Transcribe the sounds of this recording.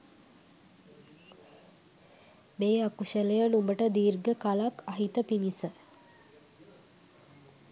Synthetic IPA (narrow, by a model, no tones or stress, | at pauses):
meːakuʃələjənumbəʈəd̪iːrɡəkalakaɦit̪əpinisə